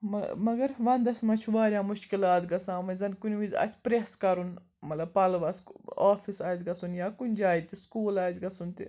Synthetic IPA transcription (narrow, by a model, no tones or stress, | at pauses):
mɐ̰mɐɡɐɾʋɐnd̪ɐsʲmɐt͡ʃʰuʋaːɾʲjaːmuʃkilaːt̪ɡɐsãːʋɐzɐnkunʲʋizʲɐ̰sʲpɾeskɐɾun | mɐlɐbpɐlʋɐskaːfisaːzʲɡɐsunjaːkunʲd͡ʒaːit̪iskuːlaːzʲɡɐsunt̪ḭ